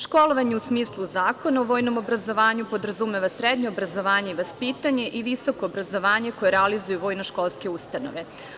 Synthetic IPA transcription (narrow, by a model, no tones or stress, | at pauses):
ʃko̞lˠo̞ʋaɲeusmiːslˠuzaːko̞naoʋo̞ːjno̞mo̞bɾazo̞ʋaːɲupo̞d̪ɾazumeʋasɾed̪ɲoobɾazo̞ʋaːɲe̞iʋaspiːt̪aɲe̞ʔiʋiso̞ko̞ːbɾazo̞ʋaːɲe̞kojeɾɛalizujuʋo̞jnoʃko̞lˠske̞ust̪ano̞̰ʋe̞